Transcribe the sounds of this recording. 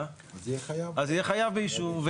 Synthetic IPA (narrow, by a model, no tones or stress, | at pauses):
ɛajazijɛχajavbeiʃuvve